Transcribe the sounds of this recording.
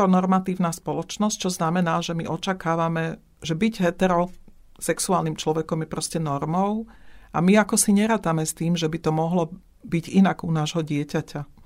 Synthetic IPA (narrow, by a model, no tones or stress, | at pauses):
ɔnɔɾmat̪iːʊnaːspɔlɔt͡ʃnɔsc̚t͡ʃɔznamɛnaːʒɛmiʔɔt͡ʃakaːʋamɛ | ʒɛbiɟɦɛt̪ɛɾɔ | sɛksuaːlnimt͡ʃlɔʋɛkɔmjɛpɾɔscɛnɔɾmɔʊʔa̰miakɔsiɲɛɾaːt̪amɛst̪iːmʒɛbit̪ɔmɔɦlɔ | biɟinaɡunaːʒɦɔɟɪɛcaca